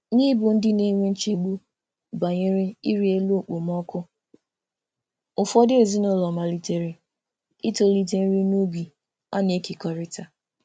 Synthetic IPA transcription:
ni˦bʊ˨n̩˦dɪ˦ne˦ŋʷe˦n̩˦t͡ʃe˨ɡ͡bu˦ | ba˨ɲe˦ɾɪ˦i˦ɾi˦e˦lo˨k͡po˨m˦ɔ˦kʊ˦ | ʊ˨fɔ˦dɪ˦e˨zi˦nʊ˦lɔ˨ma˨li˦te˨ɾe˨ | i˦to˦li˦t̬e˦n̩˦ɾi˦nu˦bi˨ | a̰˦n˨e˦ke˨kɔ˨ɾɪ˦ta˨

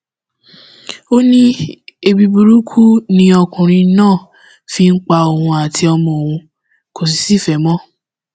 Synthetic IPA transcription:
o˦nĩ˦e˧bi˧bu˨ɾu˦kʰu˦nĩ˦ɔ˧kũ˨ɾ̃ĩ˧˦nãː˦˨ | fi˧ŋ̩˦k͡pa˧o˨hũ˧a˨tʰi˧ɔ˧mɔ̃˨o˨wũ˧ | ko˨s̬i˨˦si˦˨fɛ˨˦mɔ̃˦

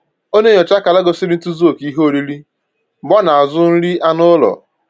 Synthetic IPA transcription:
o˦ne˦jɔ˨t͡ʃa˦ka˨la˦ɡo˨sɪ˦ɾɪ˦n̩˦tu˦zo˦˨ki˦ɦo˦˨ɾi˦ɾi˦˨ | bɔ˦na˨a˨zʊ˦n̩˦ɾi˦a˦nʊ˦lɔ̰˨

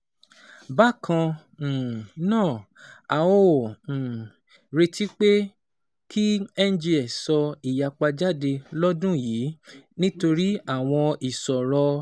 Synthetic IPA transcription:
ba˦˨kã˧˨ | nãː˦˨ | a˨wõ˦˨ | ɾe˧tʰi˦k͡pe˦ | kʰi˦ɛ˦n˦d͡ʒi˧ɛ˨sɔ˧i˨ja˨k͡pa˧d͡ʒa˦˨de˧lɔ˦dũ˦jiː˨˦nĩ˦to˧ɾi˦a˦˨w̃ɔ̃˧i˨sɔ˨ɾɔ˧

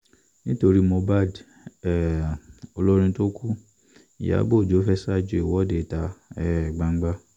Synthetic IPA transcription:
nĩ˦to˧ɾi˦mõ˧ba˦˨d | ɛ˨o˧lo˦ɾ̃ĩ˧to˦ku˦˨ | ja̰˨˦bo˦˨d͡ʒo˨˦fɛ˦sa˦d͡ʒo˧˦i˨wɔ˦de˨ta˧ɛ˦˨ɡ͡ba˨˦ŋ̩˦ɡ͡ba˦

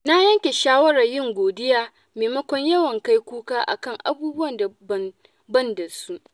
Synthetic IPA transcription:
na˦jɐ˦ŋkʲe˨ʃaː˦wɐ˦ɽɐ˨rjɪ˦ŋɡʷoː˨dɪ˦jaː˦ | meː˨mɐ˦kʷɔ˦ɲjɐ˦wɐ˨ŋka˦jkʷuː˦kaː˦ʔa̰˨kɐ˦˨ŋʔa̰˨buː˦bʊ˦wɐ˨nda˨bɐ˦n | bɐ˦˨nda˨su˦ʔ

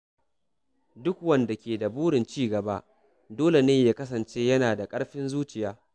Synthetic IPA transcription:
dʊ˦kwɐ˦nda˨kʲeː˨da˨buː˦ɽɪ˨nt͡ʃiː˦˨ɡɐ˨ba˦ʔ | doː˦le˨neː˦jaː˦kɐ˦s̬ɐ˨nt͡ʃeː˦jɐ˦naː˨da˨kʼɐ˦ɽɸɪ˦nzuː˦t͡ʃɪ˨jaː˦

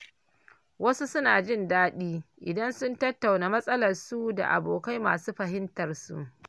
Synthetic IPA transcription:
wɐ˦su˦sʊ˦naː˨d͡ʒɪ˦ndaː˦ɗiː˦ʔɪ˨dɐ˦nsʊ˦ntɐ˦tːa˨wnaː˨mɐ˦sʼɐ˦lɐ˨rsu˦da̰˨ʔa̰˨boː˨ka˦jma̰ː˨suː˦ɸɐ˨hɪ˦ntɐ˨rsṵ˦˨ʔ

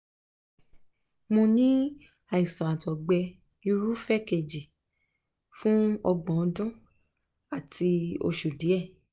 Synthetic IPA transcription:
mõ˧nĩ˦ | a˨i˨sɔ̃˨a˨tɔ˨ɡ͡bɛ˧ | i˧ɾu˦fɛ˦ke˨d͡ʒi˨ | fũ˦ɔ˧ɡ͡bɔ̃˨ɔ˨˧dɔ̃˦ | a˦˨ti˧o̰˧ʃu˨di˨˦ɛ˦˨

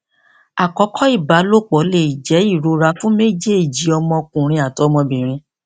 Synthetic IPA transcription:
a˨kɔ˨˧˦kʰɔ˦i˦˨ba˨˦lo˦˨k͡pɔ˨˦le˦˨i˨d͡ʒɛ˨˦i˦˨ɾo˧ɾa˧fũ˦me˦d͡ʒe˦˨d͡ʒi˨˦ɔ˧mɔ̃˧kũ˨ɾ̃ĩ˧a˨tɔ˨˦mɔ̃˧bĩ˨ɾ̃ĩ˧

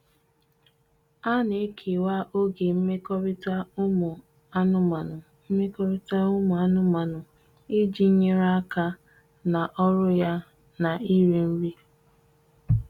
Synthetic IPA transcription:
a˦ne˨˦kʰe˨wa˦ʔo˦ɡe˨m̩˦me˦kɔ˦ɾi˦ta˦ʊ˦mʊ˨ | a˦nʊ˦ma˨nʊ˨ | m̩˦me˦kɔ˦ɾɪ˦ta˦ʊ˦mʊ˨a˦nʊ˦ma˨nʊ˨ | i˦d͡ʒi˦ɲe˦ɾa˦a˦ka˦ | na˨ʔɔ˦ɾʊ˦ja˦ | na˨i˦ɾi˨m̩˦ɾi˦

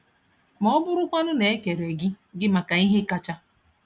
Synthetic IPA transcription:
mɔ˦ɔ˦bʊ˦ɾʊ˦kʷa˦nʊ˦ne˨e˦ke˨ɾe˨ɡɪ˦ | ɡɪ˦ma˨ka˨i˦ɦe˦ka˦t͡ʃa˦

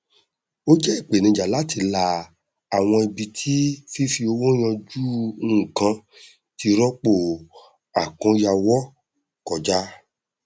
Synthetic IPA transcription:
o˦d͡ʒɛ˦i˦˨k͡pe˨nĩ˧˨d͡ʒa˨la˨˦ti˧la˧ | a˨w̃ɔ̃˧i˧bi˧tʰi˦fi˦fi˧o˧wo˦j̃ɔ̃˧d͡ʒuː˦˨kã˧ | ti˧ɾɔ˦k͡po˦˨ | a˨kɔ̃˧˦ja˧wɔ˦ | kɔ˨d͡ʒa˦

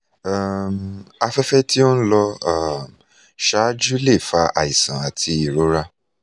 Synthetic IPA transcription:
a˦˨ma˧fɛ˦fɛ˦ti˦o˦n̩˦lɔ˧a˦m | ʃa˨˦d͡ʒu˦le˦˨fa˧a̰˨i˨sã˨a˨tʰi˧i˨ɾo˨˦ɾa˦

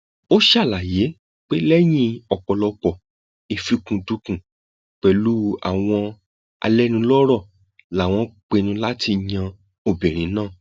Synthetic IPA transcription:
o˦ʃa˦˨la˨je˨˦ | k͡pe˦lɛ˦j̃ĩ˧ɔ˨k͡pɔ˨lɔ˧k͡pɔ˨ | i˨fi˧kũ˨du˧kũ˨ | k͡pɛ˨lu˦a̰˨w̃ɔ̃˧ | a̰˧lɛ˦nũ˧lɔ˦ɾɔ˦˨ | la˨w̃ɔ̃˧k͡pe˧nũ˧la˦ti˧ɲã˧ | o˧bɛ˨ɾ̃ĩ˨˦nãː˦˨

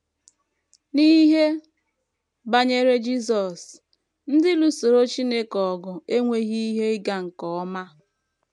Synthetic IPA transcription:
ni˦ɦe˦ | ba˦ɲe˦ɾe˦d͡ʒi˦s̬ɔ˨s | n̩˦dɪ˦lu˨so˨ɾo˦t͡ʃi˦ne˦kɔ˨ɡʊ˨e˦ŋʷe˦ɣi˦i˦ɦe˦ɡa˨ŋ̩˨kɔ˨ɔ˦ma˦

